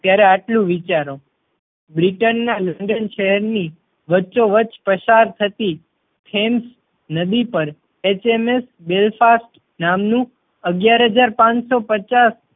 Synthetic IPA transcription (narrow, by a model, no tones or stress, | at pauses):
t̪jaɾeaʈlũʋit͡ʃaɾo | bɾiʈənːaləɳɖənʃəɦɛɾni | ʋəːt͡ʃoʋət͡ʃpəʃaɾt̪ʰət̪i | tʰems | nəd̪ipəɾ | et͡ʃemes | belfasʈ | namnũ | əɡjaɾɦəd͡ʒaɾpãɲsopət͡ʃas